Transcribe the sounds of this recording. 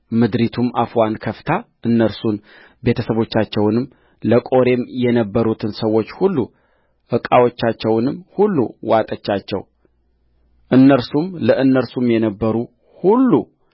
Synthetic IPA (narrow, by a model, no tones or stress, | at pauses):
mɨd̪ɾit̪ʰumafwankʰəft̪ʰaʔɨnːəɾsun | be̞t̪ʰəsəβo̞t͡ʃːat͡ʃːɛwnɨm | ləkʼo̞ɾe̞mjɛnəbːəɾut̪ʰɨnsəwːo̞t͡ʃːhulːu | ʔɨkʼawo̞t͡ʃːat͡ʃːɛwnɨmhulːṵwat̪ʼət͡ʃːat͡ʃːɛ̰w | ʔɨnːəɾsumləʔɨnːəɾsumjɛnəbːəɾu | hulːu